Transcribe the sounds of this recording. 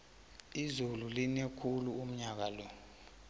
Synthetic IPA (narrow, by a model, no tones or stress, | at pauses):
izululinekʰuluum̩ɲak̬alɔ